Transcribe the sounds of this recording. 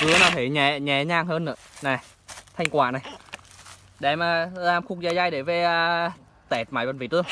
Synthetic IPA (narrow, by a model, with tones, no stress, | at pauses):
kɨ˨˦naː˨˩t̪ʰe˨˩ɲɛ˨˩˦ɲɛ˨˦ɲaː˧˩ŋhəː˧nːɨ̰˧˥əna˨˩j | t̪ʰa˧ŋ̟kwaː˧˩na˨˩j | ɗe˧˩maː˨˩zaː˧mxʊ˧k̚zaː˧˩jzaː˧jɗe˧˩ve˨˩əː˨˩ | t̪ɛ˨˩t̚maː˨˩jvə˨˩nvi˧˨˩t̪ɨ˧əŋ